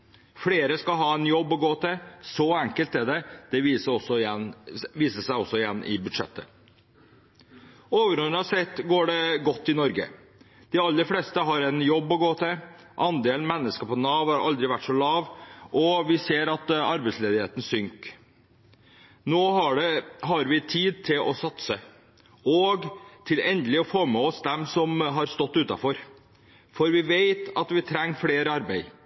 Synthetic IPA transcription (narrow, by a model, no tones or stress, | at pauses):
fleːɾəskɑɦɑːɛnjɔbːɔɡoːt̪ɪsɔɛŋkəlt̪ɛɖɛd̪̥ɛʋiːsəɔsɔɪjɛnʋiːsəsæɪɔsːɔɪjɛnːʔɪ̰bʉd̪ʂɛ̰t̪ːə | oːʋəɾɔnəɑsɛt̪ːɡoːɖɛɡɔt̪ːɪnɔɾɡə̰ | d̪̥ɪɑlːəɾfleːst̪əɦɑɾɛnjɔbːɔɡoːt̪ʰɪ | ʔɑnd̪eːlnmɛnːəskəpʰɔnɑːʋhɑɾɑ̰ld̪ɾɪʋæʈːʂɔlɑːʋʔɔʋɪseːɾɑt̪ɑɾbɛɪsleːd̪ɪheːt̪n̩sʏŋk | noːɦɑɖɛɦɑɾʋɪt̪ʰiːd̪̚t̪ʰɪlʔɔsɑt̪sə | ɔɡt̪ʰɪlɛnd̪əlɪɔfoːmɛɔsd̪ɛmsɔmɦɑɾst̪ɔt̪ːʉːt̪ɑ̰fɔɾ | fɔɾʋɪʋeɪt̪ɑt̪ʋɪt̪ʰɾɛŋːfɽeːɾəɑɾbæɪ